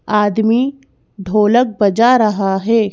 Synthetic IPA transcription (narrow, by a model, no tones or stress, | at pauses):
aːd̪mi | ɖʱoːlək̚bɐd͡ʒaɾɐɦaɦɛː